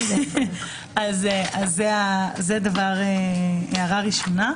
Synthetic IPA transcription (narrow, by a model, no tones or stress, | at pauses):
azeʔazːeazed̪avaʁeeaʁaʁiʃo̞na